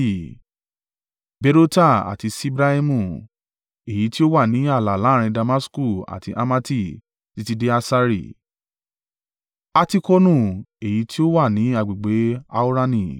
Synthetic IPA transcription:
be˧ɾo˦ta˦˨a̰˨ti˧si˦bɾa˦i˦mũ˦˨ | e˨ji˨˦ti˦o˦wa˦˨nĩ˨˦a˦˨la˨la˨˦˨ɾ̃ĩ˧da˧ma˦sku˦˨a̰˨tḭ˧ʔa̰˧ma˧ti˦˨ | ti˨˦ti˧de˦a˧sa˦ɾḭ˦˨ | a˦ti˦ko˦nũ˦˨e˨ji˨˦ti˦o˦wa˦˨nĩ˨˦a˦˨ɡ͡bi˨ɡ͡be˨˦a˧u˦ɾa˦nĩ˦˨

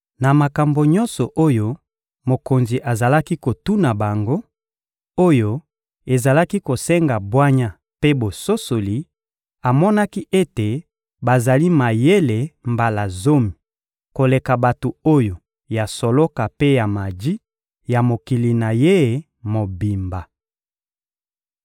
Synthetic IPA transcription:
na˨ma˨ka˨mbo˨ɲɔ˦nsɔ˨ʔo˦jo˦ | mo˨ko˨nzi˨ʔa˨za˨la˦ki˦ko˨tu˦na˨ba˨ŋɡo˦ | o˦jo˦ | e˨za˨la˦ki˦ko˨sɛ˦ŋɡa˨bwa˦ɲa˦ | pe˦bo˨so˦so˨li˨ | a˨mɔ˦na˦ki˦ʔe˦te˨ | ba˨za˨li˦ma˨je˦le˨mba˨la˨zo˦mi˨ | ko˨le˨ka˨ba˨to˨o˦jo˨ | ja˨so˨lɔ˦ka˨pe˦ja˨ma˨di˦ | ja˨mo˨ki˨li˨na˨je˦˨ | mo˨bi˨mba˨

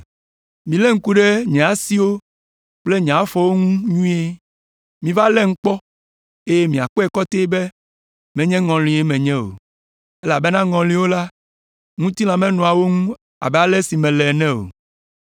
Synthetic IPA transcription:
mĩ˨lɛ˦ŋ̩˦ku˦ɖɛ˦ɲɛ̃˨a˨si˦wo˦ | k͡ple˦ɲɛ̃˨a˨˦fɔ˦wo˦ŋũ˦ɲũ˦e˦ | mĩ˨va˦lɛ˦ŋ̩˦k͡pɔ˦ | e˦je˦mĩ˨a˨k͡pɔ˦ɛ˨kɔ˦t̪e˦be˦ | mɛ̃˨ɲɛ̃˦ŋɔ̃˨lĩ˨˦e˦mɛ̃˨ɲɛ̃˦o̰˨ | e˦la˨be˦nã˦ŋɔ̃˨lĩ˦wo˦la˦ | ŋũ˦t̪i˦lã˨mɛ̃˦nɔ̃˨a˨wo˦ŋũ˦ | a̰˨bɛ˨a˦lɛ˦si˨mɛ̃˨lɛ˨nɛ̃˦o̰˨

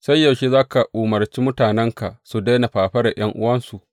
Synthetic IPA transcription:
sa˦jːɐ˨wʃi˦zaː˦ka˨ʔuː˨mɐ˨rt͡ʃiː˦mʊ˦taː˨nɛ˦ŋka˨su˨da˦na˨ɸaː˨ɸɐ˦ɽa˨j̰ɐ˦ŋʔʊ̰˦wɐ˦nsu˨ʔ

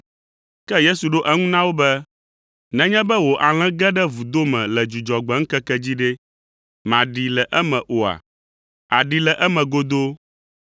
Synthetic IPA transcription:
kɛ˦je˦su˨ɖo˦ʔɛ˦ŋũ˦nã˦wo˦bɛ˦ | nɛ̃˨ɲɛ̃˦bɛ˦wo˨ʔa˨l̃ɛ̃˦ɡɛ˦ɖɛ˦vu˨d̪o˦mɛ̃˨lɛ˨d͡ʒu˨d͡ʒɔ˨ɡ͡bɛ˨˦ŋ̩˦kɛ˦kɛ˦d͡ʑi˦ɖɛ˦ | mã˨ɖi˨lɛ˨ʔɛ˦mɛ̃˨ʔo˨a̰˨ | a˨ɖi˨lɛ˨ʔɛ˦mɛ̃˨ɡo˦d̪o˦

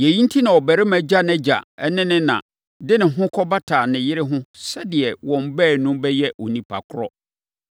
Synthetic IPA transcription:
jɛ˨jĩ˦n̩˦tʰi˦nã˨ɔ˨bæ˨ɾɪ˦mæ̃˨d͡ʑa˦nɛ̃˦d͡ʑa̰˨ɛ˦nɪ̃˦nɪ̃˦nã̰˨ | dɪ˦nɪ̃˨ɦʊ̃˦kʰɔ˦ba˦tʰaː˨nɪ̃˨jɪ˦ɾɪ˦ɦʊ̃˦sɛ˦dɪ˨ɛ˨wɔ̃˨m˦bɛː˦˨nʊ̃˦bɛ˦jɛ˦ɔ˨nĩ˨pʰa̰˨kʰʊ˦ɾɔ̰˦

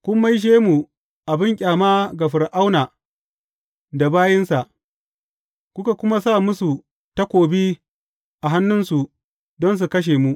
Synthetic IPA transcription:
kʷʊ˦mːa˦jʃ̬eː˦mu˨ | ʔa˨bɪ˦ŋkʲʼaː˨maː˦ɡa˨ɸɪ˨rʔa˦wnaː˨ | da˨baː˦jɪ˦nsa˨ʔ | kʷʊ˦ka˨kʷʊ˦ma˦sa˦˨mʊ˦su˨ | ta˦kʷoː˨bi˦ | ʔa˨ɦa˦nːʊ˦nsu˨ | dɔ˦ns̬u˨kɐ˦ʃ̬eː˨mu˦ʔ

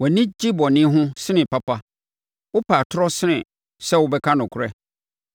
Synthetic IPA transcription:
wɛ˨nɪ̃˦d͡ʑi˦bɔ˨nɪ̃˦ɦʊ̃˦sɪ˦nɪ̃˨pa˦pʰa˦ | wʊ˦pʰa˨tʰʊ˦ɾɔ˦sɪ˦nɪ̃˨ | sɛ˦wʊ˦bɛ˦kʰa˦nʊ̃˨kʰʊ˨ɾɛ˦

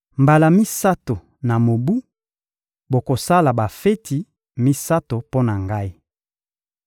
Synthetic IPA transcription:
mba˨la˨mi˦sa˦to˨ | na˨mo˨bu˦ | bo˨ko˨sa˦la˨ba˨fe˦tʰi˨ | mi˦sa˦to˨po˦na˨ŋɡa˦i˦

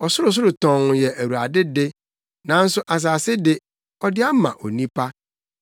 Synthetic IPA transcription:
ɔ˨sʊ˦ɾʊ˨s̬ʊ˦ɾʊ˨tɔ̃˨ŋ˨jɛ˨ʔæ˨wu˨ɾa˨dɪ˦dɪ˦ | nã˨˦n̩˦sʊ˦ʔa˨s̬aː˨sɪ˦dɪ˦ | ɔ˦dɪ˦a˦mã̰˨ʔo̰˨nĩ˦pʰa˦

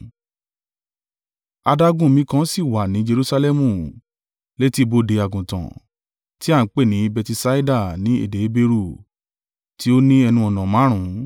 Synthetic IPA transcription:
a˧da˦ɡũ˦˨mĩ˨˧˦kã˦si˦˨wa˨nĩ˨˦d͡ʒe˧ɾu˦sa˧lɛ˦mũ˦˨ | le˦ti˦˨bo˧˦de˨˧a˨ɡũ˨tã̰˨ | ti˦a˦˨˦k͡pe˦˨nĩ˨˦bɛ˧ti˧sa˦i˦da˦˨nĩ˨˦ḛ˦˨de˨˦be˧ɾu˦˨ | ti˦o˦nĩ˦ɛ˧nũ˧ɔ˨nã˨mã˨˦ɾ̃ũ˨˦

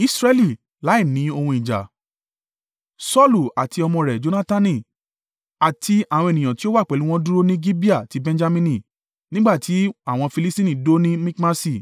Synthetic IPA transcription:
i˦sɾɛ˦li˦˨ | la˨˦i˦˨nĩ˨˦o˧hũ˧i˨d͡ʒa̰˨ | sɔ˦lu˨a˨ti˧ɔ˧mɔ̃˧ɾɛ˨d͡ʒo˧˦na˦ta˧nĩ˦˨ | a˨tʰi˧a˨w̃ɔ̃˧e˨ĩ˨jã˨ti˦o˦wa˦˨k͡pɛ˨˦lũ˦w̃ɔ̃˦du˦ɾo˦nĩ˦ɡi˦bi˦a˦˨ti˨˦bɛ̃˧nd͡ʒa˧mĩ˧nĩ˦˨ | nĩ˦ɡ͡ba˦˨tʰi˨˦a˦˨w̃ɔ̃˧fi˧li˦stĩ˦nĩ˦˨do˦nĩ˦mĩ˦kma˦si˦˨

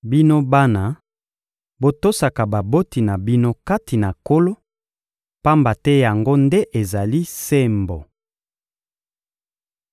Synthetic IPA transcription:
bi˦no˦ba˦na˨ | bo˦to˦sa˨ka˨ba˨bo˦ti˨na˨bi˦no˦ka˦ti˨na˨ko˦lo˦ | pa˦mba˨tɛ˦ja˨ŋɡo˦ndɛ˦ʔe˨za˨li˦se˦mbo˨

